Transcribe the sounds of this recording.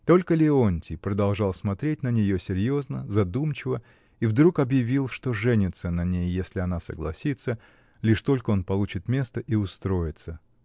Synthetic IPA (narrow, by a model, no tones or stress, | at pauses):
t̪o̞lʲkəlʲɪonʲtʲɪpɾəd̪ɐlˠʐɑlˠsmɐt̪ɾʲet̚ʲnənʲɪjo̞sʲɪɾʲjo̞znəzɐd̪umt͡ɕɪvə | ivd̪ɾukɐbjɪvʲilˠʂt̪o̞ʐɛnʲɪt̪sənɐnʲejːesʲlʲɪɐnasə̰ɡlˠɐ̰sʲit̪sə | lʲiʂt̪o̞lʲkəo̞npɐlˠut͡ɕɪt̪mʲe̞st̪əʔiʊst̪ɾo̞jɪt̪sə